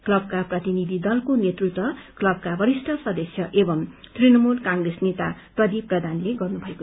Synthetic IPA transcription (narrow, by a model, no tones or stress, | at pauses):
klʌb̚kaprʌt̪inid̪ʱid̪ʌlkonet̪rut̪wʌklʌb̚kabʱʌɾisʈʰʌsʌd̪ʌsjʌʔebʌmt̪rinʌmulkãŋɡresnet̪aprʌd̪iprʌd̪ʱanleɡʌrnubʱʌeko